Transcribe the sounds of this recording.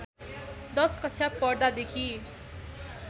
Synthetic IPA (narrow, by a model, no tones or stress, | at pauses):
d̪ʌskʌtt͡sʰapʌrd̪ad̪ekʰi